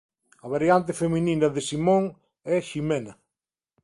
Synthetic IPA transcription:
ɐβaɾjant̪̬ɪfemininɐðɪsimõŋ | ɛʃimɛnɐ

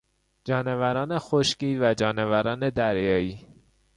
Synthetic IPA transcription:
d͡ʒɒːnevæɾɒːne̞xoʃciːvæd͡ʒɒːnevæɾɒːne̞d̪æɾjɒːiː

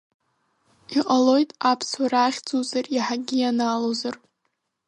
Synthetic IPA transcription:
iqʼalo̞jtʼapʰswaɾaχʲd͡zuzariħaɡʲijanalozar

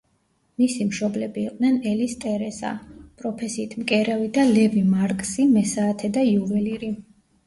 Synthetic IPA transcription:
misimʃɔblɛbiːqʼd̪nɛnɛlist̪ʼɛɾɛsa̰pʼɾɔpʰɛsiːt̪ʰmkʼɛɾɛvid̪alɛvimaɾkʼsimɛsaːt̪ʰɛd̪aiuvɛliɾi

